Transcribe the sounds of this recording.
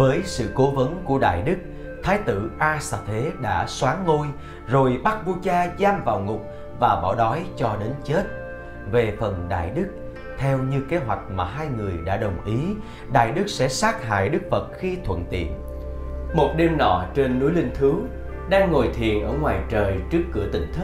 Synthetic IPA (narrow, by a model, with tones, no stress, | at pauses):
vəː˨˦jsɨ̰˧˨ko˨˦və˨˦nku˧˩əɗa̰ː˧˨jɗɨ˦˥k̚ | t̪ʰaː˨˦jt̪ɨ̰˧˨ʔaː˧sa˧˩t̪ʰe˨˦ɗa̰ː˧˥swaː˨˦ŋːo˧j | zo˨˩jɓa˦˥k̚vu˧t͡ɕaː˧zaː˧mvaː˨˩wŋʊ˨˩k͡p̚ | vaː˨˩ɓɔ̰˧˩ɗɔ˨˦jt͡ɕɔ˧ɗe˨˦nt͡ɕe˦˥t̚ | ve˨˩fə˨˩nɗa̰ː˧˨jɗɨ˦˥k̚ | t̪ʰɛ˧wɲɨ˧ke˨˦ɦwa˨˩jk̟̚maː˨˩ɦaː˧jŋɨ˨˩əjɗa̰ː˧˥ɗə˨˩wŋ͡mʔi˨˦ | ɗa̰ː˧˨jɗɨ˦˥k̚sɛ̰˧˥saː˦˥t̚ha̰ː˧˨jɗɨ˦˥k̚fə˨˩t̚xi˧t̪ʰwə̰˧˨nt̪ḭ˧˨ən | mo˨˩t̚ɗe˧mɗɔ̰˧˩t͡ɕe˧nːu˨˦˥jlï˧ŋ̟t̪ʰɨ˨˦ | ɗaː˧ŋːo˨˩jt̪ʰḭ˨ənʔəː˧˩ŋwaː˨˩jt͡ɕəː˨˩jt͡ɕɨ˦˥əkːɨ̰˧˩ət̪ï˧˩ŋ̟t̪ʰɨ˦˥